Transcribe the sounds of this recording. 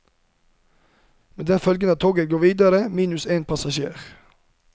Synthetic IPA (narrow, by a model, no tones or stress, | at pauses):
meːd̪ɛnfœlɡənəːt̪ʰoːɡəɡoːʋiːd̪ɑɾəmiːnʉseːnpʰɑsɑʃḛːʁ